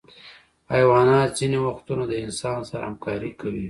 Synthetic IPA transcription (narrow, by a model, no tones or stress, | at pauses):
ajwɑnɑt̪z̥inewaxt̪unad̪əɪnsɑnsaɾa̰hamkɑɾikawi